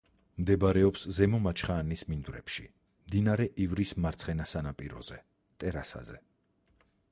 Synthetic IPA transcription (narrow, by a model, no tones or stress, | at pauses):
md̪ɛbaɾɛɔpszɛmɔmat͡ʃʰχaːnismind̪wɾɛ̰pʃi | md̪inaɾɛʔivɾismaɾt̪sʰχɛnasanapʼiɾɔ̰zɛ | t̪ʼɛɾasa̰zɛ̰